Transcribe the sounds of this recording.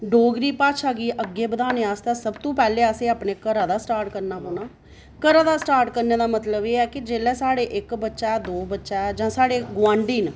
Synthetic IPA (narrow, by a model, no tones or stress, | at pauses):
ɖoːɡɾiːpaːt͡ʃʰaːɡiːʔəɡːeːbəd̪aːneːaːst̪aːsəbt̪õːpɛːleːaːseːaːpneːkəɾaːd̪aːsʈaːɾʈkəɾnaːɦoːnaː | kəɾãːd̪aːsʈaːɾʈkəɾneːd̪aːmət̪ləbeːɛːkɪd͡ʒeːlɛːsaːɽeːʔɪkbətːʃaːɛːd̪oːbətːʃaːɛːd͡ʒãːsaːɽeːɡʋãːɳɖiːn